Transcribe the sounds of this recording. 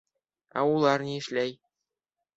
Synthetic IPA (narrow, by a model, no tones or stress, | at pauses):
ɑ̰ulˠɑrnʲiɘ̆ʃlʲæj